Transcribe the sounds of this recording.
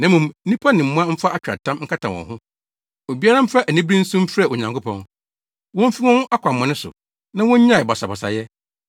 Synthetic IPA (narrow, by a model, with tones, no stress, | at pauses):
nã˨˦mũ˨m̩˦nĩ˦pʰa˦nɪ̃˨m̩˦mũ˦ã˦m̩˦fa˦a˦˨t͡ɕᶣɾa̰˨tʰã˦mŋ̩˦kʰa˦tʰã˨wɔ̰̃˨hʊ̃˦ | o˨bi˦a˦ɾã˦m̩˦fɾa˦ʔæ˨nĩ˦bɾĩ˦n̩˦sũ˦m˦fɾɛ˦˨o˨ɲã˨ŋkʰʊ˦pʰɔ̰̃˦n | wɔ̃˦m̩˦fi˦wɔ̃˦nʊ̃˦ʔa˦kʰʷa˨mːã˨nɪ̃˦sʊ̰˨ | nã˦wɔ̃˦ɲ˦ɲã˦ɪ˨ba˨sa˨bɔ˨sa̰˨jɛ˦